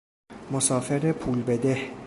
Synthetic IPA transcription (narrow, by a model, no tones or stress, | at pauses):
mosɒːfeɾepʰuːlbed̪eh